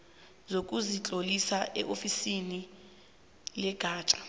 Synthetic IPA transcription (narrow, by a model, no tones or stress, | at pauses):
zok̬ʼuzit͡ɬʼolisaʔɛʔofisini | lɛɡ̥ʱaːt͡ʃʼḁ